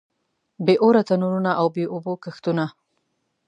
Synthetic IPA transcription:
beʔoɾat̪anuɾunaʔawbeʔobokəxt̪una

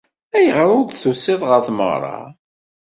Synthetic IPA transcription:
æjʁɾʊɾd̪θusɪðˤʁəɾθmə̰ʁɾˤɑ̰

